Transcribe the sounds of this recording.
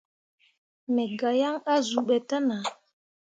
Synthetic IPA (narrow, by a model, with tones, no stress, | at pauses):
mɛ˨ɡa˨ja˦ŋa˦zu˨ɓɛ˨tə˦na˨